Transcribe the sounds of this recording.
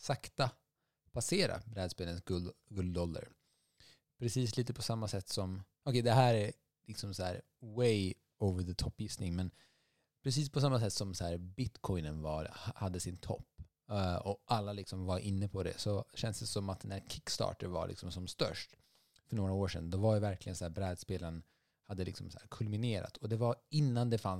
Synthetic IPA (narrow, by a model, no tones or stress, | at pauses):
sakt̪a | pʰaseːɾa̰bɾɛːd̪speːlənsɡɡɵld̪ɔlːə̰ɾ | pʰɾɛsiːsliːt̪əpʰɔsamːasɛt̪ːsɔm | ɔkʰɛɪd̪ɛɦæːɾæ | lɪksɔmsɔhæːɾ | wej | oʊvəɾðət̪ʰɔpːjɪst̪nɪŋmɛn | pʰɾɛsiːspʰɔs̬amːas̬ɛt̪ːsɔmsɔæːɾbɪt̪kʰɔɪnənvɑ̰ɾhad̪ːəsɪnt̪ʰɔ̰pː | ɔʔalːalɪksɔmvaɾʔɪnːəpʰɔd̪ɛ̰sɔɕɛnsd̪ɛsɔmat̪̚d̪ɛnæːɾkʰɪkːst̪ɑ̰ːʈəɾva̰ɾlɪ̰ksɔmsɔmst̪œ̰ʂʈ | fœɳoːɾaoːʂɛ̰nd̪ɔvajvæɾklɪɡənsæːɾbɾɛːd̪speːlən | had̪ːəlɪ̰ksɔmsæ̰ːɾkʰɵlmɪneːɾa̰t̪ʰɔd̪ɛvaɪnːand̪ɛfan